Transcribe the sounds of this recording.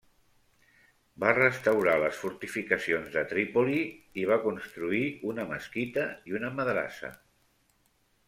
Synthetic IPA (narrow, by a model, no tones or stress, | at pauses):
barəst̪əwɾaləsfuɾt̪ifikəsionzðət̪ɾipoliiβ̞akunst̪ɾuiunəmə̰skit̪əiunəməðɾa̰sə̰